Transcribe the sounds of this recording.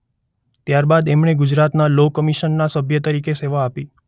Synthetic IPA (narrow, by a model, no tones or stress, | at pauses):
t̪jaɾbad̪ɛmɳeɡʊd͡ʒɾat̪nalokəmiʃənːasəbʱjət̪əɾikeseʋaːpi